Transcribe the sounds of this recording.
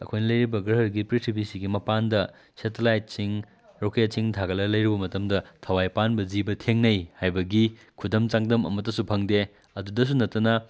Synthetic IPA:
ɐ̰kʰojnɐlɐjɾibɐɡɾɐɦɐɾɡipɾitʰibisiɡimɐpandɐ | setelajt̚siŋ | ɾoket̚siŋtʰaɡɐlɐlɐjɾibɐmɐtɐmdɐtʰɐwajpanbɐd͡ʒibɐtʰeŋnɐjhajbɐɡi | kʰudɐmt͡ʃaŋdɐmɐ̰mɐtːɐsupʰɐŋde | ɐdudɐs̬unɐtːɐnɐ

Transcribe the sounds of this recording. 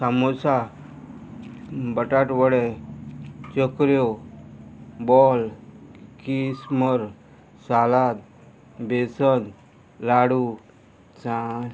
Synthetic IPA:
samosa | bəʈaʈʋəɽe | t͡ɕəkɾjo | bɔl | kisməɾ | salat̪ | besən | laɽu | sã

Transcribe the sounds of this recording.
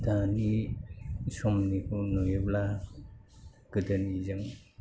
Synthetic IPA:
dani | sɔmnikʰunojebla | ɡ̥ɯdanizaŋ

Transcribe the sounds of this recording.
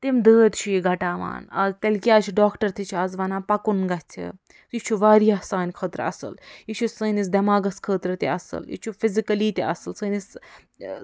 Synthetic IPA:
t̪imd̪əːd̪t͡ʃʰujiɡɐʈaːʋa̰ːnɐ̰zt̪ɐlʲkijaːt͡ʃʰuɖaːkʈɐɾt̪ʰit͡ʃʰiɐzʋɐnaːpɐkunɡɐtt̪ʰḭ | jit͡ʃʰuʋaːɾijaɦsaːnʲkʰəːt̪ɾɐ̰sɨ̰ljit͡ʃʰusəːnis̬d̪ɐmaːɡɐskʰəːt̪ɾɐt̪iɐsɨ̰ljḭt͡ʃʰufizikɐliːt̪iɐsɨlsəːnis

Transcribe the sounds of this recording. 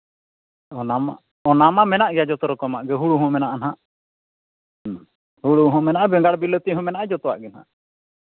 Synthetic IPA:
ɔnama̰ | ɔnamamɛnaʔɡjad͡ʒɔt̪ɔɾɔkɔmaʔɡɛɦuɽuɦɔ̃mɛnaʔanɦaʔ | huɽuɦɔ̃mɛnaʔabɛŋɡaɽbilət̪iɦɔ̃mɛnaʔad͡ʒɔt̪ɔwa̰ʔɡɛnha̰ʔ

